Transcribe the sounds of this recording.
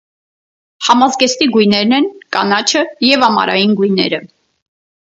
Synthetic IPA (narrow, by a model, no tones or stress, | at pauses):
hɑmɑzɡɛst̪iɡujnɛɾnɛnkɑnɑt͡ʃʰəjɛvɑmɑ̰ɾʔɑ̰jinɡujnɛ̰ɾə